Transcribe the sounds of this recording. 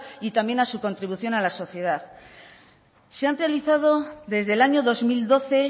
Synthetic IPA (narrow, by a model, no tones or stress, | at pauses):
it̪amje̞nasuko̞nt̪ɾiβ̞uθjo̞nalaso̞θje̞ð̞að | seanrealiθað̞o̞ðe̞zðe̞laɲo̞ðo̞zmild̪o̞θe̞